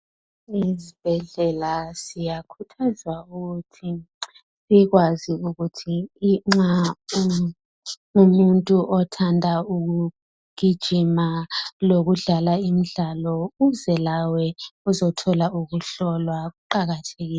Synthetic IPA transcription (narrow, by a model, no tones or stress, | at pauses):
izib̥ʱɛɮɛlasijakʰutʰazwauɣutʰi | siɣwaziuɣutʰiːŋ͡ǁa | umuntʼuʔɔtʰandʱauɣu | ɡ̥ʱid̥ʒ̥ʱimaloɣuɮalaim̩ɮalɔuzɛlawɛuzɔtʰɔlauɣuɬɔlwaɣuǃaɣatʰeɣiːlɛ